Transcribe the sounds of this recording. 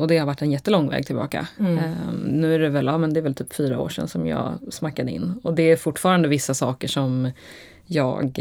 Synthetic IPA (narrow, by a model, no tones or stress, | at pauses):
ʔɔd̪ɛhaɾvaʈːɛnjɛt̪ːəlɔŋːvɛ̰ːɡ̚t̪ʰɪlbɑ̰ːka̰ | nʉ̟ːæɖɛvɛlaːmɛnd̪ɛæɾvɛlt̪ʰyːpfyːɾao̰ːʂɛ̰nsɔmjɑ̰ːsmakːad̪əɪ̰nːɔd̪ɛæɾfʊʈːfɑːɾand̪əvɪsːasɑːkəʂɔm | jɑ̰ːɡ